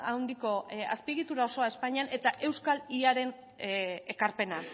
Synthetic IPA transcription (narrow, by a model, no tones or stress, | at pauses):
awnd̪iko̞a̰spiɣit̪uɾao̞so̞ae̞spaɲianʔe̞t̪aʔe̞wskaliaɾe̞n | e̞kaɾpe̞na